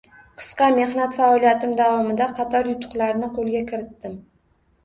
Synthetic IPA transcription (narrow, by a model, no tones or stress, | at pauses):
qʰɨ̥sqɑme̞hnat̪faɒlijat̪ɪmd̪avɒmɪd̪aqʰɑt̪ʰɒɾjʊt̪ʰʊ̥qlˠaɾnɪqʰolˠɡʲakʲʰɪɾɪt̪ːɪm